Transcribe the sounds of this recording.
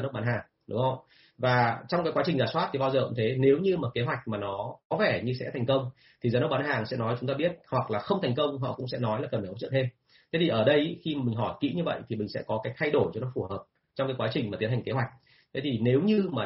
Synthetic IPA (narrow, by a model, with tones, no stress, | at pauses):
a˨˦nə˦˥k̚ɓa˨˦nɦaː˨˩ŋ | ɗʊ̰˨˦ŋ͡mə˧˩ | vaː˨˩t͡ɕɔ˧wŋ͡mkaː˨˦jkwa˨˦t͡ɕï˨˩ŋzaː˨˩swaː˦˥t̪ʰi˨˩ɓa˧zəː˨˩kʊ̰˧˥˩t̪ʰe˨˦ne˨˦wɲɨ˧maː˨˩ke˨˦ɦwa˨˩jk̟̚maː˨˩nɔ˨˦kɔ˨˦vɛ˧˩ɲɨ˧sɛ̰˧˥t̪ʰa˨˩j̟kə˧wŋ͡m | t̪ʰi˨˩zaː˨˦nə˦˥k̚ɓa˨˦nɦaː˨˩ŋsɛ̰˧˥nɔ˨˦jt͡ɕʊ˨˦ŋ͡mt̪aː˧ɓi˦˥ət̚hwa˨˩k̚laː˨˩xə˧wŋ͡mt̪ʰa˨˩jŋ̟kə˧wŋ͡mɦɔ̰˧˨kʊ̰˧˥ŋ͡msɛ̰˧˥nɔ˨˦jlaː˨˩kə˨˩nfaː˨˩h̚t͡ɕə̰˧˨nt̪ʰe˧m | t̪ʰe˨˦t̪ʰi˨˩ʔəː˧˩ɗə˧jxi˧˨ï˨˩ŋ̟ɦɔ˧˩jkḭ˧˥ɲɨ˧və̰˧˨jt̪ʰi˨˩mï˨˩ŋ̟sɛ̰˧˥kɔ˨˦kaː˨˦jt̪ʰa˧jɗo˧˩jt͡ɕɔ˧nɔ˨˦fu˧˩həː˨˩p̚ | t͡ɕɔ˧wŋ͡mkaː˨˦jkwaː˨˦t͡ɕï˨˩ŋ̟ma˨˩t̪i˨˦ənha˨˩ŋke˨˦wa˨˩k̚ | t̪ʰe˨˦t̪ʰi˨˩ne˨˦wɲɨ˧maː˨˩